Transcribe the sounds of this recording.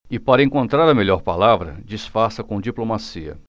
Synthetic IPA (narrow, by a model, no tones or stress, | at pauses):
ɪpaɾɐẽŋkõnt̪ɾaɾɐmeʎɔɾpalavɾɐ̰d͡ʒisfaɾsɐkõd͡ʒiplomasiɐ̰